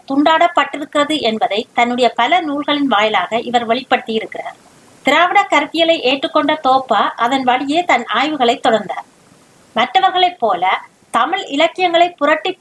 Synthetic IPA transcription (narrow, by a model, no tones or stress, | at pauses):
t̪ʊɳɖaːɽɐpːɐʈːɪɾɯkːɪrɐðɯʔɛnbɐðɐɪt̪ɐnːɯɽɐjɐpɐlɐnuːɭɣɐɭɪnʋaːjɪlaːɣɐʔɪʋɐɾʋɐɭɪpːɐɽɯt̪ːɪjɪɾɯkːɪra̰ːɾ | t̪ɪɾaːʋɪɽɐkːɐɾɯt̪ːɪjɐlɐɪʔeːʈrɯkːɔɳɖɐt̪oːpːaʔɐðɐnʋɐɽɪjeːt̪ɐnaːjʋɯɣɐɭɐɪt̪ːɔɽɐɾnd̪aːɾ | mɐʈrɐʋɐɾɣɐɭɐɪpːoːlɐ | t̪ɐmɪlɪlɐkːɪjɐŋɡɐɭɐɪpːʊrɐʈːi